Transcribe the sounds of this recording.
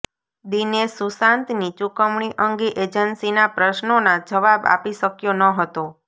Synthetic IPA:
d̪inesusãnt̪nit͡ʃukəmɳ̃iʔəŋɡeʔed͡ʒənsinapɾəʃnonad͡ʒəʋaba̰piʃəkjonəɦət̪o

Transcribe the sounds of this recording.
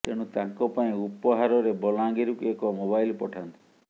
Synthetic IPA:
t̪eɽ̃ũt̪ãŋkɔpaĩupɔɦaɾɔɾebɔlãŋɡiɾukuekɔmobajlpɔʈʰant̪i̥

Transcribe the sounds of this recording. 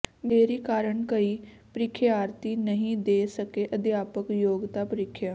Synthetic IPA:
meːɾiːkaːɾəɳkəiː | pəɾɪkʰːeaːɾt̪iːnəɦĩːd̪eːsəkeːʔəd̪jaːpəkjoːɡt̪aːpəɾɪkʰːjaː

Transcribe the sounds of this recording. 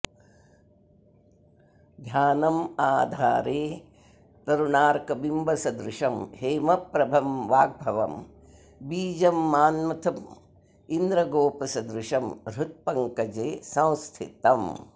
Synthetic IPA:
d̪ʱjaːnɐmaːd̪ʱaːɾeː | t̪ɐɾuɳaːɾkɐbimbʱɐsɐd̪ɾɪʃɐmheːmɐpɾɐbʱɐmʋaːɡ̚bʱɐʋɐ̰m | biːd͡ʒɐmːaːnmɐt̪ʰɐm | ind̪ɾɐɡoːpɐsɐd̪ɾuʃɐmɾut̪̚pɐŋkɐd͡ʒeːsɐ̃w̃st̪ʰḭt̪ɐm

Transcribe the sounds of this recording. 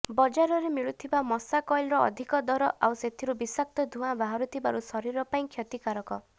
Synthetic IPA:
bɔd͡ʒaɾɔɾemiɭut̪ʰibamɔsakɔjlɾɔɔ̰d̪ʱikɔd̪ɔɾɔʔawset̪ʰiɾubisak̚t̪ɔd̪ʱuɦabaɦɔɾut̪ʰibaɾusɔɾiɾɔpaĩkʰjɔt̪ikaɾɔkɔ

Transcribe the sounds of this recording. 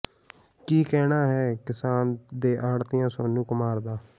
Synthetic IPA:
kiːkɛːnaːɦɛːkɪsaːnd̪eːʔaːɽt̪ɪjãːsoːnũːkʊmaːɾd̪aː

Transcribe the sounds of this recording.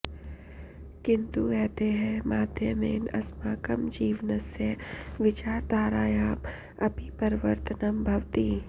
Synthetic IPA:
kɪ̃nt̪uɛːt̪eɦɛ̃maːd̪ʱjəmḛːnɐ̰smaːkəmd͡ʒiːʋnəsjəʋɪt͡ʃaːɾd̪ʱaːɾaːjaːm | ɐpipɐɾʋəɾt̪ənəmbʱɐʋt̪iː

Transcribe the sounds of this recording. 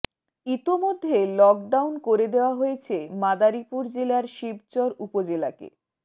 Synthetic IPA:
it̪omod̪ʱːelɔk̚ɖawnkoɾed̪eoaɦoet͡ɕʰemad̪aɾipuɾd͡ʑelaɾʃib̚t͡ɕɔɾupod͡ʑelakḛ

